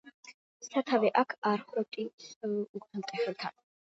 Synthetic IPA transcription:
sat̪ʰavɛʔakʰaɾχɾɔt̪ʼisuɡ̪ʼʰant̪ʼɛχɛlt̪ʰa̰n

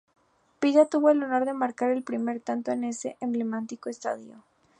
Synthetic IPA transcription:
piʝat̪uβo̞e̞lo̞no̞ɾðe̞maɾkaɾe̞lpɾime̞ɾt̪ant̪o̞ene̞se̞̰ʔemble̞mãnt̪iko̞est̪a̰ðjo

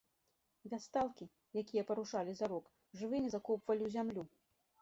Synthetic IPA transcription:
vʲast̪alˠkʲi | jakʲijɐpɐɾuʂalʲizaɾɔk | ʐɨvɨmʲɛzakɔpvɐlʲiwzʲamlʲu

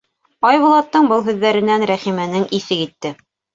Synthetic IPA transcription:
ɑjβŏlˠɑt̪ːɤɴbɤlˠɦʉðːæɾɘ̆nænɾæχimɘ̆nɘŋisɘkit̪ːɘ

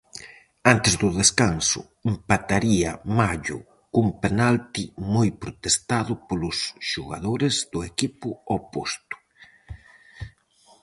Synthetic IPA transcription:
ant̪ezðʊðeskansʊ̰ | empat̪aɾiamaʝʊ̰ | kumpenalt̪imojpɾʊt̪est̪aðʊpolʊsʃuɣa̰ðoɾezðʊekipʊopost̪ʊ̥

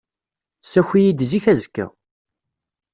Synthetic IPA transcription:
sæçʷijid̪ziçæzkːə̰

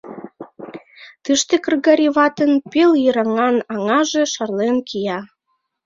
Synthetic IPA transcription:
t̪ɨʃt̪ekə̆rɣɑɾʲiβɑt̪ənpeljəɾɑŋɑnɑŋɑʒeʃɑrlenkijɑ

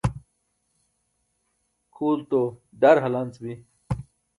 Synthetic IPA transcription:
kʰuːlt̪oɖɐɾɦɐlɐnt͡sbi

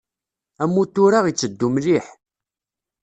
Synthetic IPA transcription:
æmːut̪ːʊɾaʁit͡sːəd̪ːumliħ

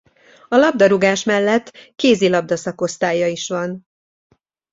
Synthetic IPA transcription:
ɒlɒb̚d̪ɒɾuɡaːʃmɛlːɛt̪ːkeːzilɒb̚d̪ɒsɒko̞st̪aːjːɒiʃʋɒn

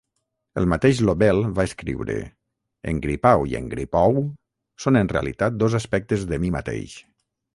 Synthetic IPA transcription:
əlˠmat̪eʒloβɛlˠβaəskɾḭwɾə̰ | ə̰ŋɡɾipawiə̰ŋɡɾipɔw | sonənrea̰lit̪at̪̚d̪ozaspɛk̚t̪əzðəmimat̪ḛjʃ

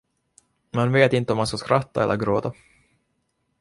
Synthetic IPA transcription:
manveːt̪ɪnt̪əɔmːanskaskɾat̪ːaɛ̰lːə̰ɾɡɾoːt̪a

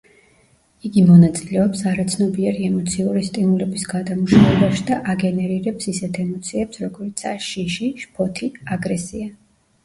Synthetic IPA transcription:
iɡimɔnat̪sʼilɛɔpsaɾat̪sʰnɔbiɛɾiɛmɔt̪sʰiuɾist̪ʼinulɛbisɡad̪amuʃavɛbaʃid̪aʔaɡɛnɛɾiɾɛpsisɛt̪ʰɛmɔt̪sʰiɛpsɾɔɡɔɾit̪sʰa̰ʃiʃiʃpʰɔt̪ʰiaɡɾɛsia

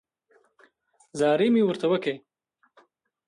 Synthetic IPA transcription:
zɑːɾimiwəɾt̪awəke

